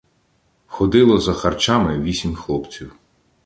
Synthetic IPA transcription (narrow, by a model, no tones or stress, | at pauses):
xɔd̪ɪlˠɔzɐxɐrt͡ʃɑmɪʋʲisʲimʲxlˠɔpt͡sʲiw